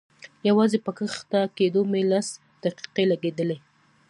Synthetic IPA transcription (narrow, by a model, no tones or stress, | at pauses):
jawɑzepəkəxt̪aked̪omelas | d̪̥aqi̥qelaɡed̪əle